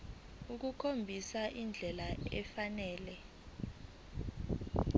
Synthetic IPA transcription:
uk̬ukʰombʱisaʔind͡ɮʱɛlaɛ̰fanɛːlɛ

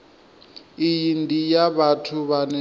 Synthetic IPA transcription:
ijindijaβatʰuβanɛ

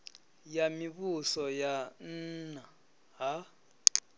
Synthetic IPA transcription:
jamiɓusɔjan̩ːna | ɦa

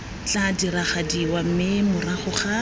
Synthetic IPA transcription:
t͡ɬadiɾaχadiwam̩mɪmʊraχʊχa

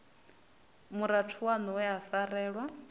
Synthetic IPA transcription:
muɾatʰuwanɔwɛafaɾɛːɺwa

